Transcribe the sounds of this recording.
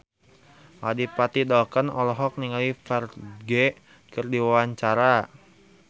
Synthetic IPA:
ladipat̪idɔlkənɔlɔɦɔk̚niŋaifɛrɡe | kɨrdiwawaɲt͡ʃaɾa

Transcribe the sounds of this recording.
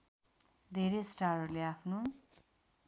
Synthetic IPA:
d̪ʱeɾesʈarorleapʰno

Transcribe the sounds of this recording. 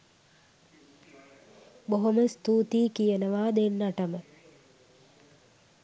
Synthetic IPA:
boɦoməst̪uːt̪iːkijənəʋaːd̪enːaʈəmə

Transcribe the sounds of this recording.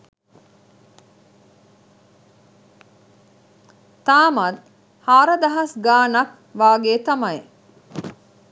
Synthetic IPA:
t̪aːmɐt̪ | haːɾɐd̪ɐɦɐsɡaːnɐk | ʋaːɡeːt̪amɐj

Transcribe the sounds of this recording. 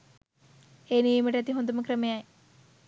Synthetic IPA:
eːnijɐmɐʈɐt̪iɦond̪umɐkrɐmejaj

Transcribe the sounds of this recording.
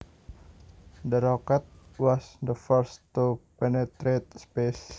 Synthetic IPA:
dəɾokat̪̚wɔsd̪əfɔrst̪upɛnet̪ɾet̪̚spes

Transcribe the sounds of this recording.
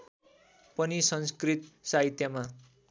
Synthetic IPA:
pʌnisʌnskrit̪saɦit̪jʌma

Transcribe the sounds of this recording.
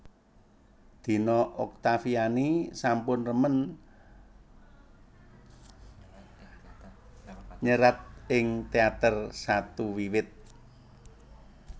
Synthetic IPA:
d̪̥i̤nɔʔɔk̚t̪afianisampʊnrəmən | ɲəɾat̪̚ɪŋt̪eat̪ərsat̪uwiwɪt̪̚

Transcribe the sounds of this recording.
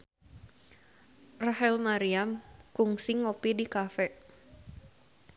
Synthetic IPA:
raɦɛlmaɾiamkuŋsiŋopidikafɛ

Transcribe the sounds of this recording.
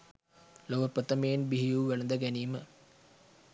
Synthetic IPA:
loʋɐprət̪ɐmejenbiɦijuːʋɛlɐnd̪ɐɡæniːmə

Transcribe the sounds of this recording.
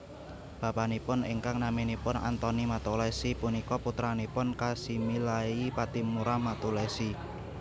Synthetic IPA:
b̥apanipʊnḭŋkaŋnaminipʊna̰nt̪ɔnimat̪ulɛsipunikɔput̪ɾanipʊnkasimilaipat̪imuɾamat̪ulesi

